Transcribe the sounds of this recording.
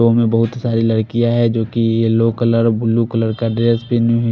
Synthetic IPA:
õmẽbɐɦʊt̪saːɾilɐɽkijaɦɛd͡ʒoːkijeloːkələɾbʱʊlːukələɾkaɖeəspenjuɦ

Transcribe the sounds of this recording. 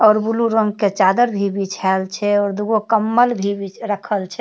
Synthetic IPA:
ɔːɾbuluɾəŋɡket͡ʃad̪əɾbʱibit͡ʃʰalt͡ʃʰɛɔɾd̪uɡokəmːəlbʱibit͡ʃɾəkʰəlt͡ʃʰɛ

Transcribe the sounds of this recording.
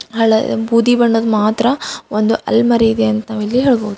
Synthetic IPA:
ɦɐɭɐbʱuːd̪ibɐɳːoːd̪umaːt̪ɾɐond̪uɐ̰lmɐɾeid̪eɐnt̪ɐnaːʋɐlːiɦɛɭɡoːd̪

